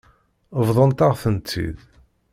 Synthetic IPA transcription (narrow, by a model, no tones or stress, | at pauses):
əvðˤənt̪aʁθənt̪ːḭð